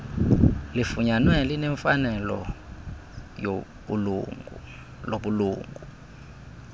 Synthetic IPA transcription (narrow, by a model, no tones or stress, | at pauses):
lifuɲanwɛlinɛɱfanɛlɔ̰ | jo | uluŋu | loɓuluːŋɡʱu